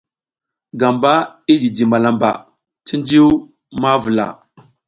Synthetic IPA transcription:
ɡa˨mba˦i˦d͡ʒi˨di˨ma˨la˨mba̰˨ | ti˦nd͡ʒi˦w | ma˦və˨la̰˨

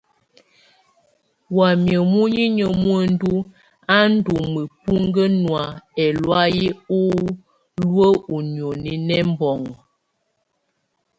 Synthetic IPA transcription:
wa˨mjə˨mu˦ɲi˦ɲə˨mu˦ə˦˨n˦du˦ | a˦n̩˦du˨mə˨pu˦ŋɡə˦nwa˨ɛ˨lwa˦ji˦u˦ | lwə˦u˨n˨o˨ni˨nɛ˦m˦bɔ˨ŋɔ˨

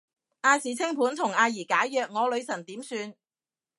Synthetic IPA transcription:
ʔaː˧siː˨˩t͡sʰɪ˥ŋpʰuː˨˥nt̪ʰʊ˨˩ŋaː˧jiː˨˩kaː˨˥jːœː˨k̚ŋɔː˨˧lɵ˨˧ɥsɐ˨˩nt̪iː˨˥msyː˧n

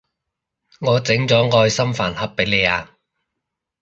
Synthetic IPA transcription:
ŋɔː˨˧t͡sɪ˨˥ŋt͡sɔː˨˥ŋɔː˧jsɐ˥mfaː˨˩nhɐ˨p̚ːe˨˥jle˨˧jaː˧

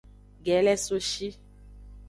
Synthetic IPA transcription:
ɡɛ˨˦lɛ˦so˦ʃi˦

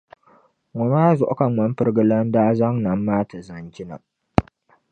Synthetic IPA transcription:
wʊ˨maː˦zʊ˨ʔkɐ˨ŋwɐ˦m˦ɸɪ˦rɡɐ˦lɐ˦ndaː˦zɐ˦ŋnɐ˨mːaː˦ta˨zɐ˨ŋɡʲɪ˦na̰˨

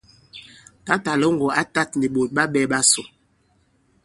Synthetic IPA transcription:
ta˦ta˨lo˦ŋ˦ɡɔ˨a˦ta˦tni˨ɓo˨t̚ɓa˦ɓɛ˦ɓa˦so˨

